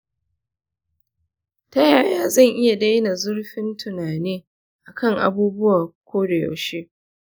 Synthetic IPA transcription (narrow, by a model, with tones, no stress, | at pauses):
tɐ˦jaː˨jaː˦zɐ˦˨ŋʔɪ˦ja˨da˦jna˨zʊ˦rɸɪ˦ntʊ˨naː˨neː˦ | ʔa˨kɐ˦˨ŋʔa̰˨buː˦bʊ˦waː˨kʷʰoː˦da˨ja̰˨ʃeː˦